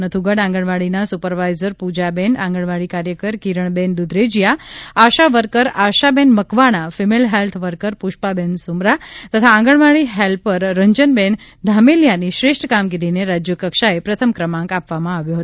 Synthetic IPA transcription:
nət̪ʰuɡəɽãŋɡəɳʋaɭinasupəɾʋajzəɾpud͡ʒabɛnãŋɡəɳ̃ʋaɭikaɾjəkəɾkiɾəɳbɛnd̪ud̪ɾed͡ʒjaaʃaʋəɾkəɾaʃabɛnməkʋaɽ̃afimelɦelt̪ʰʋəɾkəɾpuʃpabɛnsumɾat̪ət̪ʰãːŋɡəɳ̃ʋaɭiɦɛlpəɾːəɲd͡ʒənbɛn | d̪ʱameljaniʃɾeʂʈʰkamɡiɾineɾad͡ʒjəkəkʃaepɾət̪ʰəmkɾəmãŋkapʋamãaʋjoɦət̪

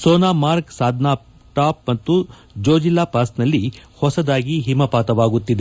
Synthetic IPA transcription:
soːnaːmaːɾksaːd̪ʱnaː | ʈaːpmɐt̪ːu | d͡ʒoːd͡ʒilːaːpaːsnɐlːihɔsɐd̪aːɡiɦimɐpaːt̪ɐʋaːɡut̪ːid̪e

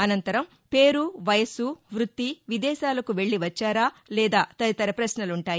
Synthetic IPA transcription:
ɐnɐnt̪ɐɾɐm | pe̞ːɾuʋɐjɐsuʋɾut̪ːiʋid̪ɛːʃaːlɐkuʋe̞ɭːiʋɐt͡ʃːaːɾaːlɛːd̪aːt̪ɐɾɐt̪ɐɾɐpɾɐsnɐluɳʈaːji

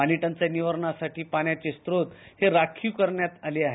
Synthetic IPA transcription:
aniʈant͡seniʋəɾɳasaʈiːpaɽjat͡ɕest̪ɾot̪heɾakʰukəɾɳjat̪aleaɦe

